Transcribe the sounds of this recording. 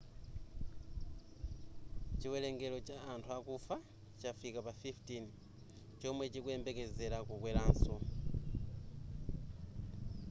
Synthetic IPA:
t͡ʃiwɛlɛŋɡɛlɔt͡ʃaːntʰuakufa | t͡ʃafikapafiftin | t͡ʃɔmwɛt͡ʃikuɛmbɛkɛzɛɾakukwɛlaːnsɔ

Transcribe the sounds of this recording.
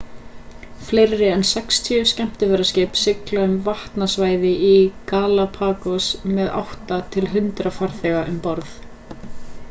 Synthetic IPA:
flejɾɪɛnsɛkst̪ʰiːʏscɛm̥t̪ɪvɛɾascɪːpsɪklaʏmvaht̪nasvaːjðɪʔikaːlapʰaːkɔsmɛða̰wht̪at̪ʰɪlɦʏnt̪ɾafaɾ̥θɛɣaʔʏmpɔɾθ

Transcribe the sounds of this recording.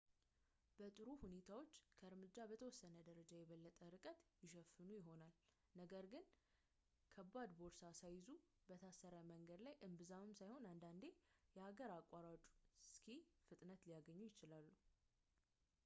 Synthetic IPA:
b̥ət̪ʼɨɾuhune̞t̪ʰawo̞t͡ʃːkʰəɨɾmɨd͡ʒːabət̪ʰəwɔsːənəd̪əɾəd͡ʒajɛβəlːət̪ʼəɾɨkʼət̪jɪʃ̬əfːɨnujɪɦo̞nal | nəɡəɾɡɨn | kʰəbːad̪bo̞ɾsasajɪzu | bət̪ʰasːəɾaməŋɡəd̪lajʔɨmbɨzamɨmsajho̞nand̪and̪e̞jɛhaɡəɾakʼːaɾat͡ʃʼu̥skʰifɨt̪ʼnət̪lijaɡəɲːujɪt͡ʃɪlalːu

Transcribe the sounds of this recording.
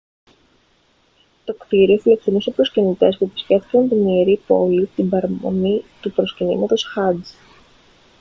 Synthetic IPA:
t̪o̞kt̪iɾio̞file̞ksenuse̞pɾo̞scinit̪e̞spuepi̥sce̞ft̪i̥kɐnt̪inieɾipo̞lit̪imbɐɾɐmo̞̰nit̪upɾo̞scinḭmɐt̪o̞sxɐd͡z

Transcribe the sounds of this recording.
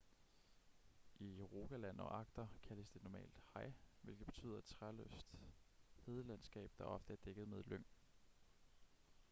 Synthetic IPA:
ʔiʁoɡ̥ælæn̰ɒ̽ʔɑ̈ɡ̥̚d̥ɐkʰæləsd̥e̝nɒmɛ̰ːld̥hɑ̈ɪ̰ʋe̝lɡ̥ð̩b̥e̝t͡sʰy̰ːðˠɐed̥t͡sʰʁalø̰sd̥he̝ːð̞ˠəlænsɡ̥ɛ̰ːb̥̚d̥ɑ̈ʔɒ̽fd̥əæɐd̥eɡ̥ð̞̩ˠmeð̞ˠløŋ̰

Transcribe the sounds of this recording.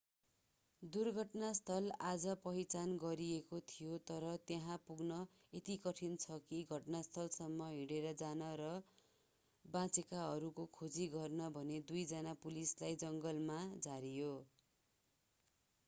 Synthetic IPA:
d̪urɡʱʌʈnast̪ʰʌlad͡zʌpʌɦit͡sanɡʌɾiekot̪ʰijot̪ʌɾʌt̪jeɦãpuɡnʌ | et̪ikʌʈʰint͡sʰʌkiɡʱʌʈnast̪ʰʌlsʌmːʌɦiɽeɾʌd͡zanʌɾʌ | bãt͡sekaɦʌɾukokʰod͡ziɡʌrnʌbʱʌned̪ujd͡zanapulislajd͡zʌŋɡʌlmad͡zaɾijo

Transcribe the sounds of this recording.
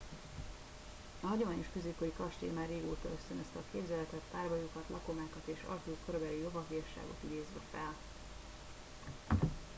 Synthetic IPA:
ɒɦɒɟo̞maːɲo̞ʃkøzeːkojikɒʃt̪ḛːmaːrːeːɡo̰ːt̪ɒøst̪ønøst̪ɒkeːbzɛlɛt̪ɛt̪paːrbɒjukɒt̪lɒko̞maːkɒt̪eːʃɒ̰lkluːkøɾøbɛlijo̞vɒfiɒʃːa̰ːɡo̞̰t̪id̪eːzʋɛfɛl

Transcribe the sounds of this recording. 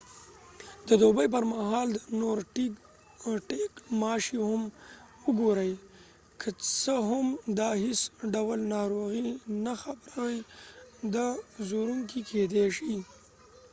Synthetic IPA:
d̪əd̪obəjp̬əɾmaɦɑld̪ənoɾʈi | ʈekmɑʃihʊm | ʊɡoɾəj | kʰət͡səɦʊmd̪ɑhisɖawəlnɑɾoɣinaxabɾawajd̪azoɾuŋkikʰed̪eʃi

